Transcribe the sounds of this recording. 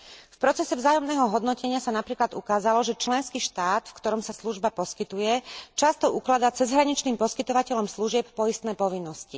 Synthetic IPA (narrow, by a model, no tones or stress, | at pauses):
fpɾɔt͡sɛsɛvzaːjɔmnɛːɦɔɦɔd̪nɔcɛɲɪasanapɾiːklad̪ukaːzalɔʒɛt͡ʃlɛnskiːʃt̪aːt̪fkt̪ɔɾɔmsasluʒbapɔskit̪ujɛt͡ʃast̪ɔuklad̪aːt͡sɛzɦɾaɲit͡ʃniːmpɔskit̪ɔʋacɛʎɔmsluʒɪɛp̚pɔist̪nɛːpɔʋinːɔsci